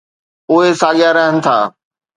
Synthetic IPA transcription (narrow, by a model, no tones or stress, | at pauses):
ʊɦesaːɠijaɾɐɦənɪ̆t̪ʰaː